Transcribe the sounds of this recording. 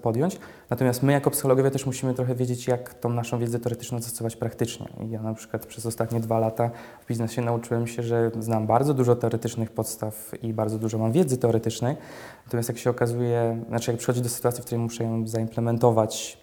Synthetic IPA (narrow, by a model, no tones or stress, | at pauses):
pɔd̪jɔɲt͡ɕ | nat̪ɔmʲjast̪mɘjakɔpsɨ̥xɔlɔɡɔvʲjat̪ɛʂmuɕimɘt̪ɾɔxɛvʲjed͡ʑet͡ɕjakt̪ɔ̃w̃naʂɔ̃vʲjɛd̪zɛt̪ɛɔɾɛt̪ɘ̥t͡ʂnɔ̃zɔst̪sɔvat͡ɕpɾakt̪ɘt͡ʂɲɛ̰ḭjanapʂɘ̥kwat̪pʂɛzɔst̪at̪ɲɛd̪valat̪avbʲiznɛɕɛnaut͡ʂɘwɛmɕɛʐɛznambaɾd̪zɔd̪uʐɔt̪ɛɔɾɛt̪ɘt͡ʂnɘxpɔt̪st̪afibaɾdzɔd̪uʐɔmamvʲjɛd̪zɘt̪ɛɔɾɛt̪ɘt͡ʂnɛjnat̪ɔmʲast̪jakɕɛɔkazujɛnat͡ʂɨjakpʂɨ̥xɔd͡ʑid̪ɔsɘ̥t̪uat̪sʲifkt̪uɾɛjmuʂɛjɔ̃zaimplɛmɛnt̪ɔvat͡ɕ